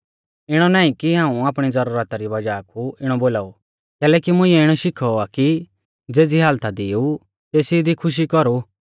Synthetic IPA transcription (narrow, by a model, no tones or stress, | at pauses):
ɪɽ̃ɔnaːĩkiɦãːũaːpɽ̃id͡zɐɾuːɾət̪aɾibɐd͡ʒakʰuɪɽ̃ɔboːlaːu | kɛːlɛːkimʊ̃ɪ̃ːɛɪɽ̃ɔʃɪkʰɔaki | d͡zeːd͡ziɦaːlt̪ad̪ɪːu | t̪eːsid̪ikʰʊʃ̬ikɔɾu